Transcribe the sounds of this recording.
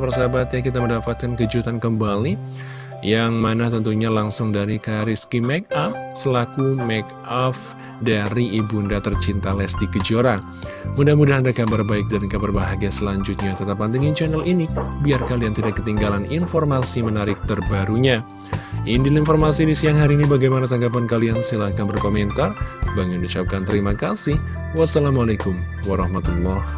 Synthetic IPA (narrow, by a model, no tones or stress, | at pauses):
pərsabat̪̚ɲakit̪aməndapat̪̚kankəd͡ʒut̪ankəmbali | jaŋmanaht̪ənt̪uɲalaŋsʊŋdaɾikaɾiskimɛk̚ap̚səlakumɛk | ɔf | daɾiːbundat̪ərt͡ʃint̪alɛsdikəd͡ʒoɾa | mudahmudahandakabarbaɪk̚dankabarbaɦaɡiasəlaɲd͡ʒut̪̚ɲat̪ət̪ap̚ːant̪iŋint͡ʃɛnɛlʔinibiarkaliant̪idakːət̪iŋɡalaninformasimənaɾɪk̚t̪ərbaɾuɲa | ʔindilinfɔrmasidisiaŋɦaɾiːnibaɡajmanat̪aŋɡapankaliansilahkambarkoment̪arbaŋʊndiut͡ʃap̚kant̪əɾimakasɪh | wasalamalekumwaɾɑhmat̪ulˠːɔh